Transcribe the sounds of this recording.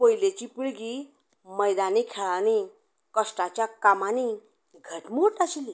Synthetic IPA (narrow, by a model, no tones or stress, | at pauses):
pojlet͡ɕipuɭɡi | məjd̪anikʰaɭani | kəsʈat͡ɕjakamani | ɡʱəʈmuʈaɕili